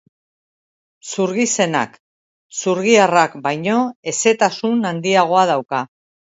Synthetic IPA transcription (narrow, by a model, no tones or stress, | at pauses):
suɾɣise̞na̰k | suɾɣ̞iarakbajɲo̞e̞se̞t̪asunand̪iaɣ̞o̞að̞awka